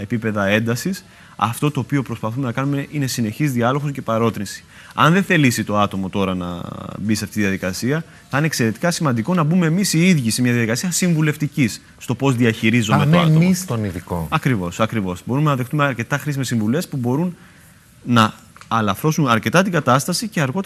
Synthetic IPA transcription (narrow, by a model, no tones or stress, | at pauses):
epipe̞ðɐe̞nd̪ɐsis | ɐ̰ft̪ot̪oːpiopɾo̞spɐθume̞nɐkɐnume̞ʔine̞sine̞çizðiɐlo̞xosce̞pɐɾo̞t̪ɾinsi̥ | ɐ̰nðe̞θe̞lisit̪o̞ɐt̪o̞mo̞t̪o̞ɾɐnɐ̰bisɐft̪it̪iðijɐðikɐsiɐ | θɐinekse̞ɾe̞t̪i̥kɐsimɐnd̪iko̞nɐbumeːmisiiðʝise̞mɲɐðjɐðikɐsiɐsiɱvule̞ft̪icisːt̪o̞po̞zðiɐçiɾizomemoeɐtmoist̪oniðiko̰ɐkɾivo̞sɐkɾivo̞sbo̞ɾume̞nɐðe̞xt̪umeɐɾce̞t̪ɐxɾisimesiɱvule̞spubo̞ɾun | nɐː | lɐfɾo̞sunɐɾce̞t̪ɐt̪iŋɡɐt̪ɐst̪ɐsice̞ɐɾɣo̞t̪